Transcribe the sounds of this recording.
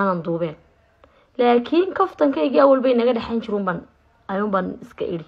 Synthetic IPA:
anɐnd̪uːβɛːn | laːkʰinkʰɔft̪ʰɐŋkʰɐiɣiɐwɐlbɛjnɐɣɐɖɛħɛːjnt͡ʃɪɾʊːmban | ɐjʊːmbaːnɪskʰɐ̰ʔɪ̰ɽɪ

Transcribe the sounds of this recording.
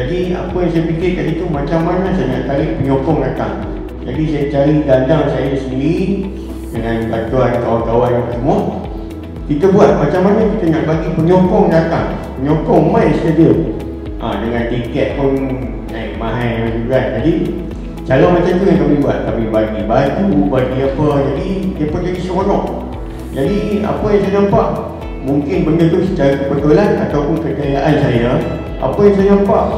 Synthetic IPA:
d͡ʒadia̰pəjaŋsajapikɪrkanit̪umat͡ʃamːanasajaɲaʔt̪aɾɪʔpəɲokɔŋdat̪a̰ŋ | d͡ʒadisajat͡ʃaɾiɡandaŋsajadisənii | dəŋanbat̪uankawankawanjaŋkəsəmɔ | kit̪əbuat̪̚mat͡ʃamːanakit̪ənaʔbaɡipəɲokɔŋdat̪aŋ | pəɲɔkɔŋmajst̪ədəm | ʔa̰dəŋant̪ikɛt̪̚pʊn | naɪ̰k̚mãɦajmauɡand͡ʒadi | t͡ʃalɔmat͡ʃamd͡ʒ̪uŋankamĩbua̰t̪̚kamibaɡibad͡ʒubaɡiapəd͡ʒadidiəpʊnd͡ʒadisəkonɔʔ | d͡ʒadia̰pajaŋsajanampaʔ | muŋkɪnbəndət̪usət͡ʃaɾakəbət̪ulana̰t̪awpʊnkəkajaʔansaja | a̰pajaŋsajanampaʔ

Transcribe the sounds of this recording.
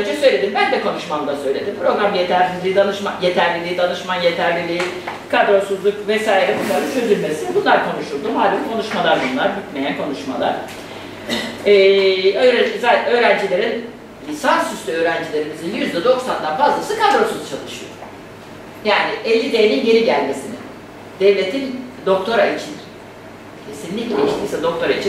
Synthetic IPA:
ønd͡ʒɛsø̞jlʲe̞d̪imbænd̪ɛkʰo̞nuʃmamd̪ˠasø̞jlʲe̞d̪impʰɾo̞ɡɾamjet̪ʰæɾlʲilʲiːd̪anɯʃmaje̞t̪ʰæɾlʲilʲiːid̪anɯʃmanje̞t̪ʰæɾlʲilʲiikʰad̪ɾo̞suzlˠukvɛsaːjiɾɛbunˠaɾɯnt͡ʃʰø̞zylʲmesibunlˠaɾkʰo̞nuʃuɾd̪umhaːd̪inkʰo̞nuʃmalˠaɾbunlˠaɾbyt̪me̞jænkʰo̞nuʃma̰lˠa̰ɾ̥ | ɛːøɾzø̞ːɾænd͡ʒilʲe̞ɾinʲ | isansyst̪ʰyø̞ːɾænd͡ʒilʲe̞ɾimizinjyzd̪ɛd̪o̞ksand̪anfazlˠasɯkʰad̪ɾo̞suz̥t͡ʃʰalˠɯʃɯjo̰ | jaːniʔɛlʲːid̪ejːninje̞ɾiɟælʲme̞sinɪ̰ | d̪̥ɛvlʲe̞t̪ʰind̪o̞k̚t̪ʰo̞ɾait͡ʃʰin | cʰe̞sinlʲiclʲeiʃt̪ʰʲiːsɛd̪o̞k̚t̪ʰo̞ɾait͡ʃʰin

